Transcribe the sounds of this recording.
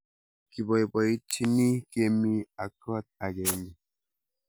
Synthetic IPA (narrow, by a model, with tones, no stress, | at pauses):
ki˨bɔ˨i˨bɔ˨i˦t͡ʃi˦ni˦ke˦mi˦a˨kɔ˦t̪̚a˨ɡɛ˨ni˨